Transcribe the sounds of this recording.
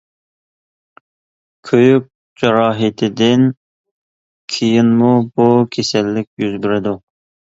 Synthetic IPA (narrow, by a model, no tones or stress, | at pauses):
kʲʰøjyk̚ʲ | d͡ʒɑɾɑːɦɪt̪ʰɪd̪ɪn | kʲʰijinmubukʲʰesɛlːɪkʲjyzbɪɾɪd̪u